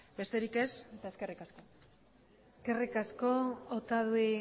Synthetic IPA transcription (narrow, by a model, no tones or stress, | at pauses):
be̞st̪e̞ɾike̞set̪aeske̞rikasko̞ | eske̞rikasko̞ot̪aðui